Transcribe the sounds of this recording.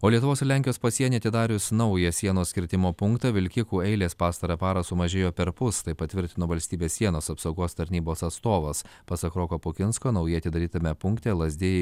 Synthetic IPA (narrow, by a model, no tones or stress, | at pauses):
oːlʲiɛt̪ʊʋoːsɪɾlʲæŋʲkʲɪjoːspɐsʲiɛnʲeːɐt̪ʲɪd̪ɑːɾʲʊsnɐʊjɛsʲiɛnoːsʲkʲɪɾʲt̪ʲɪmoːpʊŋkt̪ɑːʋʲɪlʲkʲɪkuːɛɪlʲeːspɑːst̪ɐɾɐpɑːɾɐsʊmɐʒʲeːjoːpʲɛɾpʊst̪ɐɪpɐt̪ʲʋʲɪɾʲt̪ʲɪnoːʋɐlʲsʲt̪ʲiːbʲeːssʲiɛnoːsɐpsɐʊɡoːst̪ɐɾʲnʲiːboːsɐt̪st̪oːʋɐspɐsɐkɾoːkoːpʊkʲɪnskoːnɐʊjɪɐt̪ʲɪd̪ɐɾʲiːt̪ɐmʲɛpʊŋkt̪ʲeːlˠɐzʲd̪ʲeːjɛ